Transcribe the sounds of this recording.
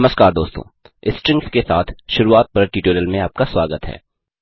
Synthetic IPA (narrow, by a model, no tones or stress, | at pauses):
məskaːɾd̪oːst̪õ̰ː | ɪsʈɾɪ̃ŋkskesaːt̪ʰʃʊɾuaːt̪̚pɐɾʈiːʈoːɾəlmẽaːp̚kaswaːɡət̪ɦɛ̰ː